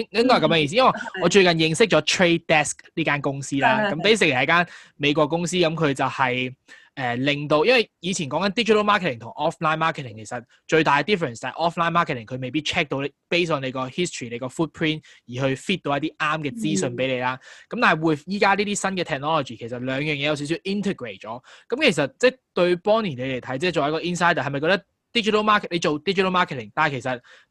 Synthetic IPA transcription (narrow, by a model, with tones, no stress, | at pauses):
ŋlɪ˥ŋkɔː˥˨kɐ˧mjœː˨˧˥ji˧si˥jɐ˥wɐ˨jŋɔː˨˧t͡ʃɵ˧ɥkɐ˨njɪ˨˧ŋsɪ˥k̚t͡ʃɔː˨˥t̪ʰɹe˥t̪ɛː˥sk̚liː˥kaː˥nkʊ˥ŋsiː˥laː˧kɐ˨˥mt̪ɐ˥s̬ɪ˧kʰːjɐ˦˥kaː˥n | me˨˧jkʷɔː˧kːʊ˥ŋsiː˥kɐ˨˦mkʰɵ˨˧ɥt͡sɐ˨whɐ˨j | ʔɛː˨˩lɪ˨ŋt̪o˧wjɐ˥nwɐ˨jjiː˨˧t͡sʰiː˨˩nkɔː˨˥ŋkɐ˨nt̪iː˥t͡ʃi˨tʰɐ˥wmaː˥kʰe˨tʰɪ˨˩ŋt̪ʰŋʔɔː˥flaː˥nmaː˥kʰt̪ʰɪ˨˩ŋkʰe˨˩sɐ˨t̚ | t͡ʃɵ˧ɥt̪aː˨kɛ˧t̪iː˥fːɛ˨˩nst͡sɐ˨ɐ̰˨ʔɔ˥flaː˥jnmaː˥kʰɛ˨tʰɪ˨˩ŋkʰɵ˨˧ɥme˨jpiː˥t̚t͡ʃʰɛː˥k̚t̪o˧wlpe˥jsɔː˨˩nle˨˧jkɔː˧hi˥stʰɹiː˨˩le˨˧jkɔː˧fuː˥t̚pʰɹiː˥njiː˨˩ɦɵ˧ɥfiː˥t̚t̪o˧wjɐ˥t̪iː˥ʔaː˥mkɛː˧t͡siː˥sɵ˧npe˨˥jle˨˧jlaː˥kɐ˨˥mt̪aː˨˩ɐ˨˩wuː˨˧jfjiː˨˥kaː˥liː˥t̪iː˥sɐ˥nkɛ˧t̪ʰɛː˨˩k̚nɔː˥lɔ˨t͡ʃiː˨˩kʰe˨˩jsɐ˨˩t̚lœː˨˧ŋjœː˨ŋjɛ˨˧jɐ˧wsi˨˥ws̬i˧wʔi˥nt̪ʰe˨˩ɡɹe˨˩t̚t͡ʃɔ̰ː˨˥kɐ˨˦mkʰe˨˩js̬ɐ˨t̚t͡sɛː˥˩t̪ɵ˧ɥpɔː˥ŋniː˨˩nle˨˧le˨˩jt̪ʰɐ˨˦˥jt͡sɛː˥t͡ʃo˨wɐ˨˥kɔː˧ʔi˥nsaː˥jt̪ɐː˨hɐ˨jmɐ˨jkɔː˧˥t̪ɐ˥k̚ | t̪iː˥t͡ʃi˨t̪ʰɐ˥wmaː˥k̚ʰle˨˧jt͡ʃo˨wt̪i˥t͡ʃi˨tʰɐ˥wmaː˥kʰt̪ʰɪ˨˩ŋt̪aː˨kʰjsɐ˨t̚